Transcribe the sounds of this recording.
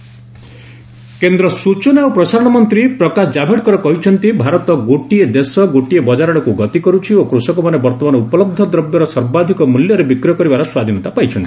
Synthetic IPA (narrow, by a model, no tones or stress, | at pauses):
kend̪ɾɔsut͡ʃɔnaopɾɔsaɾɔɽ̃ɔmɔnt̪ɾipɾɔkasɔd͡ʒabʱeɽkɔɾɔkɔɦit͡ʃʰɔnt̪ibʱaɾɔt̪ɔɡoʈied̪esɔɡoʈiebɔd͡ʒaɾɔɽɔkuɡɔt̪ikɔɾut͡ʃʰiokɾusɔkɔmanebɔɾt̪ɔmanɔupɔlɔb̚d̪ʱɔd̪ɾɔbjɔɾɔsɔɾbad̪ʱikɔmuljɔɾebikɾiɔkɔɾibaɾɔswad̪ʱinɔt̪apajt͡ʃʰɔnt̪i̥